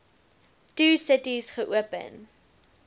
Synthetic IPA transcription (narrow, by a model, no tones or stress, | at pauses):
tuːsətisχəʔuəpə̰n